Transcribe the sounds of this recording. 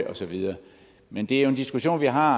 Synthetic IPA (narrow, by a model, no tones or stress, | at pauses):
ɒ̽sɒ̽ʋiðˠɐː | mend̥e̝æɐjoe̝nd̥isɡ̥uɕo̝̰ːnʋiɦɑ̈